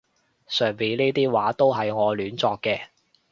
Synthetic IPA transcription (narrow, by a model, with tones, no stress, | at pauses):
sœː˨˩ŋpi˨˧niː˥t̪iː˥waː˨˥t̪o˥wɦɐ˨jŋɔː˨˧lyː˨˥nt͡sɔː˧kːɛː˧